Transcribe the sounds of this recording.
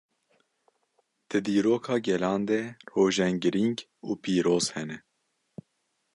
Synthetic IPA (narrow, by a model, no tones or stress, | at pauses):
d̪̥ɨd̪iːɾoːkʰɑːɡɛlɑːnd̪ɛroːʒɛŋɡɨɾiŋɡ | uːpʰiːɾoːz̥hɛnɛ